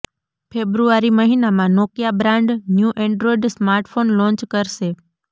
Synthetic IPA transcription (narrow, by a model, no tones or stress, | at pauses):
fʰebɾuaɾiməɦinamãnokjabɾãɳɖnjuʔɛ̃ɳɖɾoiɖsmaɾʈfonlɔ̃ɲt͡ʃkəɾʃe